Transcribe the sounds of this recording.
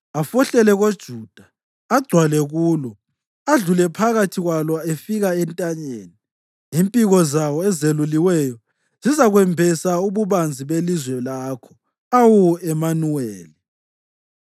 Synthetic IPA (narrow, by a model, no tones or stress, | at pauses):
afɔɬɛlɛɣod̥ʒ̥ʱuːd̥ʱḁː | ɡ͡ǀ̥ʱwalɛɣuːlɔ | aɮulɛpʰaɣatʰiɣwalɔefiɣaɛntʼaɲḛːni | impʼiɣɔzawɔɛzeluliwɛjɔ | z̥izaɣwɛmbʱɛsauβuβand͡zʱiβelizwɛlaːkʰɔ̥ | awuɛmanuweːli